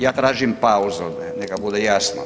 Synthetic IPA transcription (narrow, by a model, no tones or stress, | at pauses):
jaːt̪ɾaːʒimpauzod̪anekabud̪ejasno̰